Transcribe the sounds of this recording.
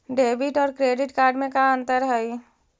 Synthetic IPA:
ɖeːbɪʈɔːɾkɾeːɖɪʈkaːɾɖmẽkaə̃nt̪əɾɦəi

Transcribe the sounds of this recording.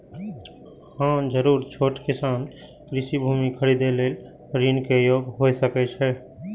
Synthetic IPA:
hãd͡ʒəɾuːɾt͡ʃʰoːʈkɪsaːn | kɾɪsibʱuːmikʰəɾid̪eleːl | ɾiːnkejoːɡɦoːjsəkɛt͡ʃʰɛː

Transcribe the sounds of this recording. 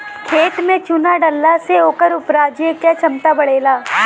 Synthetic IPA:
kʰeːʈmẽt͡ʃʊnaɖɐlːaseoːkəɾʊpɾaːd͡ʒekjat͡ʃɐmt̪abɐɽeːlaː

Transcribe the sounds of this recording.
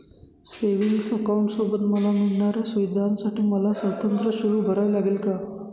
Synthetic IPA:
seʋiŋɡsəkawɳʈsobət̪məlamiɭɳaɾjasuʋid̪ʱansaʈiːməlasət̪ənt̪ɾəɕuɾuːbʱəɾajlaɡelka

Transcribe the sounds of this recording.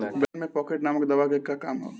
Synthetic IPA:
bɛnmẽpɔːkeʈnaːməkd̪ɐʋakekːakaːmɦo̰ː

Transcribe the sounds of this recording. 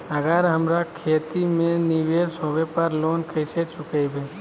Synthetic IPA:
əɡəɾɦəmɾakʰeːt̪imẽnɪʋeːsɦoːʋepəɾloːnkʰəset͡ʃʊkebʱe

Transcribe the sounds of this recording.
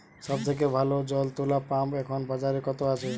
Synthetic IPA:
sɔb̚d͡ʒ̪ek̬ebʱalod͡ʒɔlt̪ulapamekʰɔnbad͡ʒaɾekɔt̪oat͡ʃʰe

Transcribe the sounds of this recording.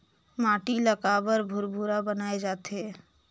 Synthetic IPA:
maːʈiləkabəɾbʱʊɾbʱuɾabənaːed͡ʒaːt̪ɦɛː

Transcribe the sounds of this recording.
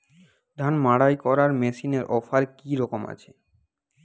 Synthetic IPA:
d̪ʱanmaɽajkɔɾaɾmesineɾʔɔfaɾkiɾɔkoma̰t͡ɕʰe

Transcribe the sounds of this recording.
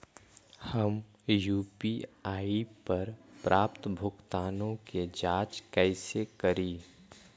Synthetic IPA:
həm | juːpiaːipəɾpɾʔaːpt̪bʱʊkt̪aːnõked͡ʒaːt͡ʃkɛɪsekəɾiː

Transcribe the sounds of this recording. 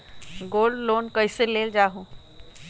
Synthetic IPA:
ɡoːlɖloːnkəɪseleːld͡ʒaːɦũ

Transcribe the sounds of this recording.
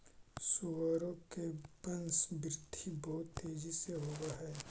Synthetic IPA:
suʋaːɾõkebɐnsbɾɪd̪ʱʰibɐɦʊt̪ːeːd͡ʒiseɦoːɡaɦɛː

